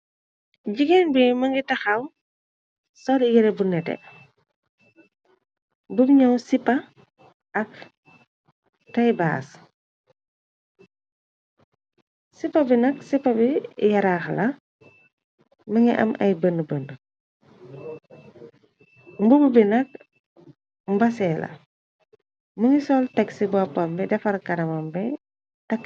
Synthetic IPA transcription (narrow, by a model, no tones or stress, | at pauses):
ɟiɡɛnbimɐŋɡitɐxɐw | sɔliɡɛɾɛbunɛtɛ̰ | bubiɲɔwsipːɐ | ʔɐk̚ | tɐjba̰ːs | sipːɐbinɐksipːɐbijɐɾaxlɐ | məŋiʔɐ̰mʔɐ̰jbənːəbəndə | mbububinɐk̚ | mbɐsɛːlɐ̰ | məŋisɔltɐksibapːambɛdɛfɐlkɐdɐmambɛ | tɐk